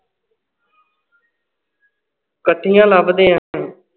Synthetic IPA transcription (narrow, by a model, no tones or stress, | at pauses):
kəʈʰːijãːlaːbd̪eːãː